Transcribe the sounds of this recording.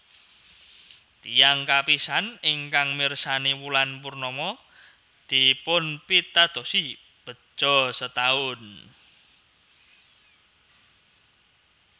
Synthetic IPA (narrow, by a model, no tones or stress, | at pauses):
t̪ijaŋkapisanɪŋkaŋmirsanewulanpurnɔmɔ | d̪̥i̤pʊnpit̪ad̪̥o̤si | b̥ə̤̥ʒ̥ɔ̤sət̪aʊn